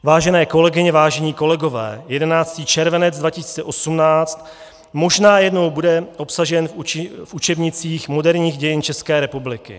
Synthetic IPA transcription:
vaːʒɛnɛːko̞lɛɡɪɲɛvaːʒɛɲiːko̞lɛɡo̞vɛ̰ːjɛdɛnaːt͡st̪iːt͡ʃɛɾvɛnɛd͡zdvacɪsi̥ːt͡sɛʔo̞sumnaːt͡st̪ | mo̞ʒnaːjɛdno̞wbudɛʔo̞psaʒɛnfut͡ʃɛbɲɪt͡siːxmo̞dɛɾɲiːxɟɛjɪnt͡ʃɛskɛːɾɛpublɪkɪ̰

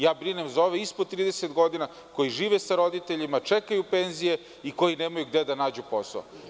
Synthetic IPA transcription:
jaːbɾinemzaoʋeispod̪̚t̪ːɾiːd̪eset̪ɡo̞d̪ina | ko̞jiʒiːʋesaɾo̞d̪it̪eʎimat͡ʂekajupenzije̞ | iko̞jineːmajuɡd̪ed̪anaːd͡ʑupo̞sao̰

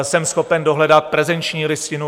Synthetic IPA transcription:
sɛmsxopɛndoɦlɛdat̪̚pɾɛzɛnt͡ʃɲiːlɪscɪnu

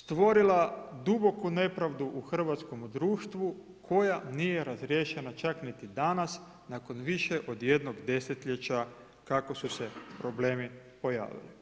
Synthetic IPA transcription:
st̪ʋo̞ɾilad̪ubo̞kune̞pɾaʋd̪uʔuxr̩ʋat̪sko̞mud̪ɾuːʃt̪ʋu | kʰo̞janije̞ɾazɾje̞ʃe̞nat͡ʃaknit̪id̪anas | nako̞nʋiʃeʔo̞d̪je̞d̪noɡd̪e̞set̪ʎet͡ɕa | kako̞suse̞pɾo̞ble̞ːmipo̞ja̰ːʋḭli

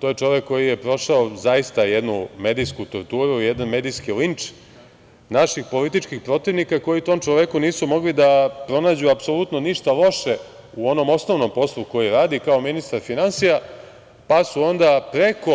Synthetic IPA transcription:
t̪ojet͡ʃo̞ʋekːo̞jijepɾo̞ʃaozajist̪ajed̪nume̞d̪ijskut̪o̰ɾt̪uːɾuijed̪anme̞d̪ijskilint͡ʂ | naʃixpo̞lit̪it͡ʃkixpɾo̞t̪iʋnikako̞jit̪o̞mt͡ʃoʋekuniːsumo̞ɡlid̪apɾo̞naːd͡ʑuapso̞lut̪no̞niʃt̪alo̞ʃe | uo̞no̞mo̞sno̞ʋno̞mpo̞slˠuko̞jiɾaːd̪ikao̞minist̪aɾfinansija | pasuo̞nd̪apɾe̞ko̞

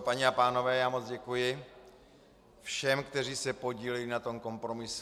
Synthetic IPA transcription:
paɲɛapaːno̞vɛːjaːmot͡sɟɛkujɪ | fʃɛmkt̪ɛr̝iːsɛpo̞ɟiːlɛlɪnat̪o̞mko̞mpɾo̞mɪs

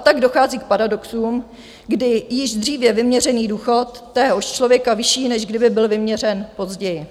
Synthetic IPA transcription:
t̪aɡdo̞xaːziːk̚paɾadoksuːm | ɡdɪjɪʒd̪r̝iːvjɛvɪmɲɛrɛniːduːxo̞t̪ːɛːɦoʃt͡ʃlo̞vjɛkavɪʃiːnɛʒɡdɪbɪbɪlvɪmɲɛr̝ɛnpo̞zɟɛjɪ

